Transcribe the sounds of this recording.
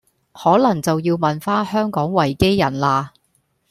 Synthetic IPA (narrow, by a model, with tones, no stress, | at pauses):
hɔː˨˥lɐ˨˩ŋt͡sɐ˨wjiː˧wmɐ˨nfaː˥nhœː˥ŋkɔː˨˥ŋwɐ˨˩jke˥jːɐ˨˩nlaː˧